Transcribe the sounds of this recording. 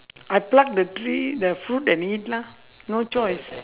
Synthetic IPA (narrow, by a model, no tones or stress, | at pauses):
ajplak̚dətɾidəfɾutɛ̃nidla | not͡ʃɔjs